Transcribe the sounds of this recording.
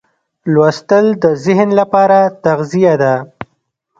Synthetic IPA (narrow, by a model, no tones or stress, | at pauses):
lwast̪əld̪əzɪɦnlapɑɾat̪aɣzijad̪a